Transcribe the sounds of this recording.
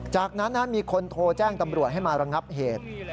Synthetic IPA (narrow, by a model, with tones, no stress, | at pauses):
t͡ɕaː˨˩k̚na˦˥nːa˦˥nmiː˧kʰo˧nt̪ʰoː˧t͡ɕɛː˥˩ŋt̪a˧mɾu˨˩ət̪̚ɦa˥˩jmaː˧ɾa˧ŋa˦˥p̚ɦeː˨˩t̪̚